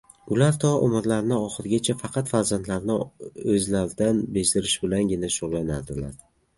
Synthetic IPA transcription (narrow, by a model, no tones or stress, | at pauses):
ʊlaɾt̪ʰɒʔomɪɾlaɾnɪɒχɨɾɡʲat͡ʃʰafɑqʰɑt̪faɾzant̪laɾnɪɵzlaɾd̪anbeʃd̪ɪɾɪʃbɪlanɡʲɪnaʃʊʁlˠanad̪ɪla̰ɾ